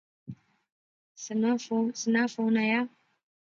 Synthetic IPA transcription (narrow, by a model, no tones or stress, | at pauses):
snsɨnafonaja